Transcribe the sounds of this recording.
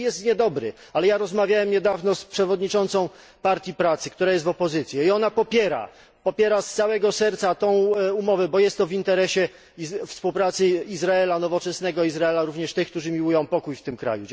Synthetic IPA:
jɛst̪ɲɛd̪ɔbɾɘ̰ | alɛjaɾɔzmavʲjawɛmɲɛd̪avnɔspʂɛvɔd̪ɲit͡ʂɔnt̪sɔ̃w̃ | paɾt̪ʲjipɾat̪sɘkt̪uɾajɛs̬t̪vɔpɔzɘt̪sʲjɛiɔnapɔpʲjɛɾa̰ | pɔpʲjɛɾast̪sawɛɡɔsɛɾt̪sat̪ɔ̃w̃umɔvɛbɔjɛst̪ːɔvint̪ɛɾɛɕɛ | fspuwpɾat̪sɘizɾaɛlanɔvɔt͡ʂɛsnɛɡɔizɾaɛlaɾuvɲɛʂt̪ɘxkt̪uʐɘmʲiwujɔ̃w̃pɔkujft̪ɘmkɾa̰ju

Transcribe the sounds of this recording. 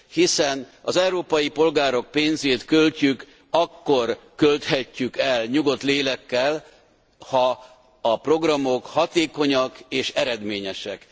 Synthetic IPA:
hisɛnɒzɛwɾoːpɒjipo̞lɡaːɾo̞k̚peːnzeːt̪kølcyk | ɒkːo̞rkølt̪hɛcːykɛlɲuɡo̞t̪leːlɛkːɛl | hɒ | ɒpro̞ɡrɒmo̞khɒt̪eːko̞ɲɒkeːʃɛɾɛd̪meːɲɛʃɛk

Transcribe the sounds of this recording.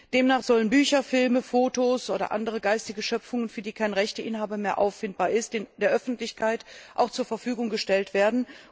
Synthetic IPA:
d̥eːmnaːχz̥ɔlənbyːçɐfɪlməfoːtoːsʔoːɾɐ̰ʔa̰ndəʁ̞əɡaɪstɪɡəʃœp͡fʊŋənfyːɐdiːkʰaɪnʁɛçtəʔɪnɦaːbɐmeːɐʔa̰ʊfɪnt̚b̥aːɐɪstd̥nd̥eːɐʔœfn̩tlɪçkʰaɪtʔaʊxt͡suːɐfɛɐfyːɡʊŋɡəʃtɛltv̥eːɐdn̩

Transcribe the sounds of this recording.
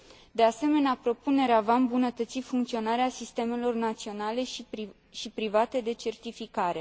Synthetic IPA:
d̪e̞ase̞me̞neapɾo̞pune̞ɾeavaɨmbunət̪ət̪sifuŋkt̪sio̞naɾeasist̪e̞me̞lo̞rnat̪sio̞nale̞ | ʃipɾivat̪e̞d̪e̞t͡ʃe̞rt̪ifikaɾe̞

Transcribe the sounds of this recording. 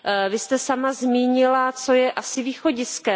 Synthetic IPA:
vɪst̪ɛsamazmiːɲɪlat͡so̞jɛʔasɪviːxo̞ɟɪskɛ

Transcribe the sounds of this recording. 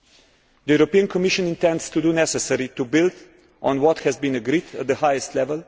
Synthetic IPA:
d̪əjuɾopiə̃nkɔmiʃə̃nɪ̃ntɛ̃ndst̪udunɛsɛsɛɾit̪ubild̪ | ʔɔ̃nwɔt̪hɛzbĩnəɡɾidə̰t̪̚d̪əhaɪəstlɛvəl

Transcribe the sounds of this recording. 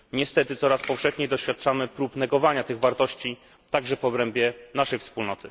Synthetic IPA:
ɲɛst̪ɛt̪ɘt̪sɔɾaspɔfʂɛxɲejd̪ɔɕfʲjat̪̚t͡ʂamɘpɾupnɛɡɔvaɲat̪ɘɣvaɾt̪ɔɕt͡ɕi | t̪aɡʐɛvɔbɾɛmbʲjɛnaʂɛjfspulnɔt̪ɘ

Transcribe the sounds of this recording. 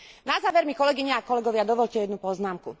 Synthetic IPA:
nazaːʋɛɾmikɔlɛɡiɲɛakɔlɛɡɔʋɪad̪ɔʋɔʎcɛjɛd̪nupɔznaːmkṵ

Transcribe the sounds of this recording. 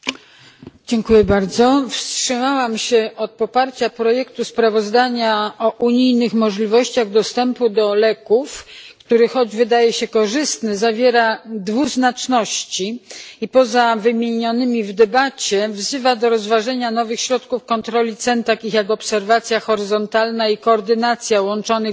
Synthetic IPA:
d͡ʑɛŋkujɛbaɾd̪zɔfstʂɘmawamɕɛɔt̪̚pɔpaɾt͡ɕapɾɔjɛkt̪uspɾavɔzd̪aɲaɔʔuɲijnɘxmɔʐlʲivɔɕt͡ɕaɣd̪ɔst̪ɛmpud̪ɔlɛkufkt̪uɾɘxɔd͡ʑvɘd̪ajɛɕɛkɔʐɘst̪nɘzavʲjɛɾad̪vuznat͡ʂnɔɕt͡ɕiipɔzavɘmʲjeɲɔnɘmʲivd̪ɛbat͡ɕɛvzɘvad̪ɔɾɔzvaʐɛɲanɔvɘxɕɾɔt̪kufkɔnt̪ɾɔlʲit̪sɛnt̪akʲixjakɔpsɛɾvat̪sʲjaxɔɾɘzɔnt̪alnaikɔːɾd̪ɘnat̪sʲjawɔnt͡ʂɔnɘ

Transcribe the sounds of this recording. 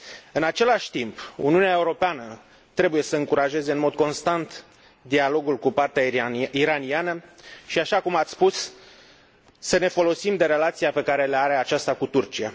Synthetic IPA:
ɨnat͡ʃe̞laʃʲt̪impṵniuneaeuɾo̞peanə | t̪ɾe̞buje̞səɨŋkuɾaʒe̞ze̞ɨnmo̞d̪̚ko̞nst̪ant̪ | d̪ialo̞ɡulkupart̪eaiɾanianəʃiaʃakumat̪sspus | əne̞fo̞lo̞simd̪e̞ɾe̞lat̪siape̞kaɾe̞leaɾe̞at͡ʃast̪akut̪urt͡ʃia

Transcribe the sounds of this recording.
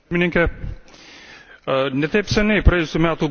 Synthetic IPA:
mʲɪnʲɪŋʲkʲɛ | nʲɛt̪ɐɪpsʲɛnʲɛɪpɾɐjeːjʊsʲuːmʲæːt̪uːɡ

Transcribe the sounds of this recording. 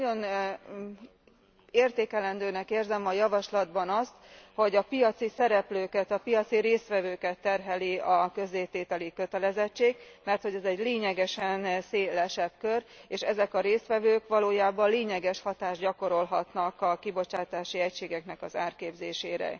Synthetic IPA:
no̞n | eːrt̪eːkɛlɛnd̪øːnɛkeːrzɛmɒjɒvɒʃlɒd̪bɒnɒst̪ho̞ɟɒpijɒt̪sisɛɾɛpløːkɛt̪ɒpijɒt̪siɾeːst̪ʋɛvøːkɛt̪ːɛrɦɛliɒkø̞zːeːt̪eːt̪ɛlikøt̪ɛlɛzɛt͡ʃːeːɡ̚ | mɛrt̪ho̞ɟɛzɛɟleːɲɛɡɛʃɛnseːlɛʃɛbkøreːʃɛzɛkɒɾeːst̪ʋɛvøːkʋɒloːjaːbɒnleːɲɛɡɛʃhɒt̪aːʒɟɒko̞ɾo̞lɦɒt̪nɒkɒkibo̞t͡ʃaːt̪aːʃiɛcʃeːɡɛknɛkɒzaːrkeːbzeːʃeːɾɛ̰

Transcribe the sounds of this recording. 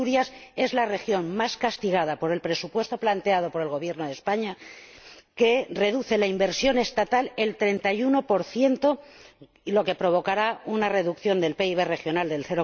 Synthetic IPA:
uɾjase̞zlare̞xjo̞nmaskast̪iɣað̞apo̞ɾe̞lpɾe̞supwe̞st̪o̞plant̪e̞að̞o̞po̞ɾe̞lɣo̞βje̞ɾnoð̞e̞spaɲa | ke̞re̞ðuθe̞laimbe̞ɾsjo̞ne̞st̪at̪ale̞lt̪ɾe̞nt̪ajuno̞po̞ɾθje̞nt̪o̞ | lo̞ke̞pɾo̞βo̞kaɾaunare̞ðukθjo̞nd̪e̞lpe̞iβ̞e̞re̞xjo̞nald̪elθeɾo

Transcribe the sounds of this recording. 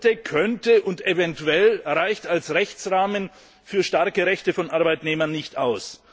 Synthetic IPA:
təkʰœntəʔʊntevɛntuɛlʁaɪçtalsʁɛçt͡sʁaːmən | fyːɐʃtaɐkəʁɛçtəfɔnʔaɐbaɪtneːmɐnːɪçtaʊs

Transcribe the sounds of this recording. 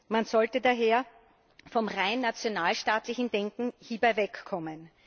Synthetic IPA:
manzɔltədaɦeːɐ | fɔmʁaɪnːat͡sjonaːlʃtaːtlɪçn̩d̥ɛŋkŋ̩hiːbaɪvɛkːʰɔmən

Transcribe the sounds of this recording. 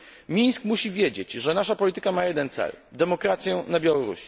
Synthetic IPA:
mʲiɲskmuɕivʲjed͡ʑet͡ɕʐɛnaʂapɔlʲit̪ɘ̥kamajɛd̪ɛnt̪sɛ̰ld̪ɛmɔkɾat̪sʲjɛnabʲjawɔɾṵɕi̥

